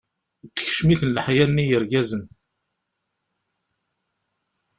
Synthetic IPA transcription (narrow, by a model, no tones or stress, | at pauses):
t͡sːə̥ç̥ʃmiθənləħjænːijəɾɡæzən